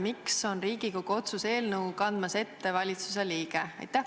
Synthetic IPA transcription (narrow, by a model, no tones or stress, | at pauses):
mikso̞nriːɡikoɡot̪suse̞ːlnɤwkɑnd̪̥mɑse̞t̪ːe̞vɑlʲit̪su̥s̬e̞liːɡ̥eɑ̰jt̪ːæh